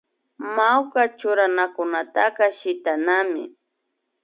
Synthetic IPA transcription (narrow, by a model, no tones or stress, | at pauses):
mawkat͡ʃʊɾanakʊnat̪akɑʃɪt̪anamɪ̰